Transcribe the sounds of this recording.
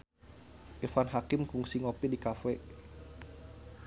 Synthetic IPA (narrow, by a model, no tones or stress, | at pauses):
ʔifanɦakɪmkuŋsiŋopidikafɛ